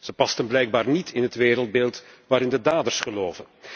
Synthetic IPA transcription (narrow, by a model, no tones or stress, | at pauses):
z̥əpɑstənblɛjɡ̚baːrnitʰɪnɦətʋeːɾəlˠd̚beːlˠtʋaːɾɪndədaːdərsχəloːvən